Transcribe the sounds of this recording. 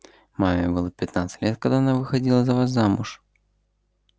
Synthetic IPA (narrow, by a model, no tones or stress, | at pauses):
mamʲɪbɨlˠəpʲɪt̪nat̪sɨ̥t̪ʲlʲet̪̚kɐɡd̪aɐnavɨxɐdʲilˠəzɐvas̬zamʊʂ